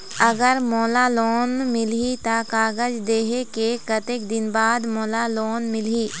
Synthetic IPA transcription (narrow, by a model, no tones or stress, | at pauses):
ɐɡəɾmoːlaloːnmɪlit̪akaːɡəd͡ʒd̪eːɦekekət̪ekd̪ɪnbaːd̪moːlaloːnmɪliː